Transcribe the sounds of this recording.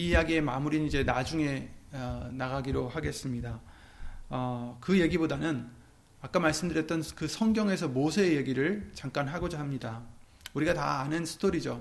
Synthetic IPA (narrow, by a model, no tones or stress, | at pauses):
ijaɡie̞ma̰muɾinid͡ʑe̞nad͡ʑuŋe̞ʌnaɡaɡiɾohaɡe̞s͈ɯmɲida | ʌkɯje̞ɡibodanɯn | ak͈amaɭs͈ɯmdɯɾjʌt͈̚ʌnkɯsʰʌŋɡjʌŋe̞sʰʌmosʰeeje̞ɡiɾɯɭt͡ɕaŋk͈anɦaɡod͡ʑaɦamɲida | uɾiɡata̰ːnɯnsʰɯ̥tʰoɾid͡ʑo